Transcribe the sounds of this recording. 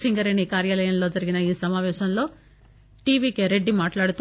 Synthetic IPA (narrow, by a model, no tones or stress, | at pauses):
siŋɡɐɾeːnikaːɾjalɐjɐnlod͡ʒɐɾiɡinɐiːsɐmaːʋɛːʃɐnlo | ʈiːʋikeɾeɖːimaːʈlaːɽt̪u